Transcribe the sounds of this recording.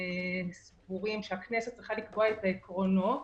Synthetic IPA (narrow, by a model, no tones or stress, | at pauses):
mispuʁimʃeakneset̚t͡sʁiχalikboaet̪aekʁonot